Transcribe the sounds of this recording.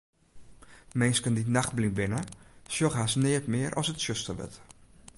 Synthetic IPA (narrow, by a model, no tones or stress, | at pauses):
mɛnskəndinaxt̚blibɪnəsjoχɦasnɪətmɪəɾʔɔ̰sətsøstəʋə̰t